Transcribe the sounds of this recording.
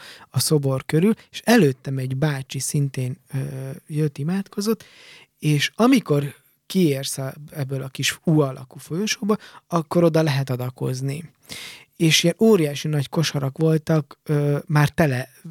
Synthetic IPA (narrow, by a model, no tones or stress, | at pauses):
ɒso̞bo̞rkøɾyleʃɛløːt̪ːɛmɛɟbaːt͡ʃisint̪eːnøjøt̪ːimaːt̪ko̞zo̞t̪ː | eːʃɒmiko̞r | kieːrsɛbːølɒkiʃuːɒlʔɒ̰kufo̞joʃoːbolɒkːo̞ɾo̞d̪ɒlɛɦɛt̪ɒd̪ɒko̞̰zni | eːʃiɛnoːɾijaːʃinɒcko̞ʃɒɾɒkʋo̞lt̪ɒkøːmaːrt̪ɛlɛ